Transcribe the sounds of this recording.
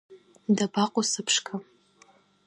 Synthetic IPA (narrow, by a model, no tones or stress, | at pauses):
dabaqʷʼʊsɨpʰʂkʰa